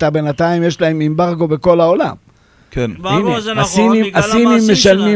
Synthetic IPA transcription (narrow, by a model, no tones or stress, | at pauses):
t̪abe̞nat̪aimjeʃlae̞mimbaʁɡo̞be̞ko̞lao̞la̰m | kiniasinimasinimːe̞ʃalmi